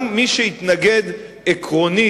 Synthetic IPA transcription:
iʃeit̪naɡe̞d̪ | ekʁo̞ni

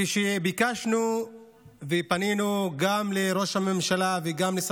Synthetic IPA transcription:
iʃebikaʃnu | vepanenuɡamleɾo̞ʃhame̞mʃalaveɡamles

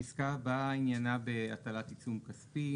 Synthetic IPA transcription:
iskabainjanabeat̪alat̪it͡sumkaspi

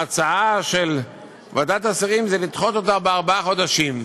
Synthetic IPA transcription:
at͡saaʃel | vadat̪asiʁimzelit̪χot̪ot̪̬abeaʁbaaχo̞d̪aʃim

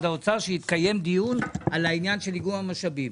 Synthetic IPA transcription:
d̪aot͡saʁʃeit̪̚kaje̞md̪ijunalainjanʃeliɡumamaʃabim

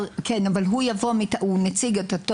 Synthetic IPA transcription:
kʰenavalɦujavo̞mitaunet͡siɡet̪at

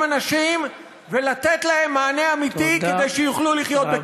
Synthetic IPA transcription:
anaʃim | velat̪et̪lahe̞mːaːneamit̪iked̪ejʃejuχluliχjo̞t̪̚be

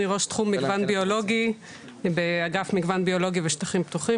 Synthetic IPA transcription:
iʁo̞ʃtχumːiɡvanbio̞lo̞ɡi | beaɡafmiɡvanbio̞lo̞ɡiveʃtaχimptuχi

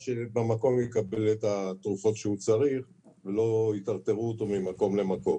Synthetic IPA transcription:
ʃebamako̞mjekabelet̪at̪ʁufo̞tʃeut͡saʁiχ | velo̞itaʁt̪e̞ʁut̪omimako̞mle̞mako̞

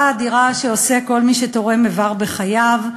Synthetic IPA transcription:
aːdiʁaʃeo̞seko̞lmiʃet̪o̞ʁemevaʁbe̞χajav

